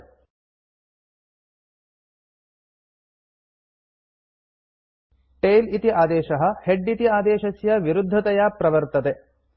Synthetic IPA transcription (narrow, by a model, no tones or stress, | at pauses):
ʈeːlit̪iaːd̪eːʃɐɦɐ̆heɖit̪iaːd̪eːʃɐsjɐʋiɾud̪ʱːɐt̪ɐjaːpɾɐʋɐɾt̪ɐt̪e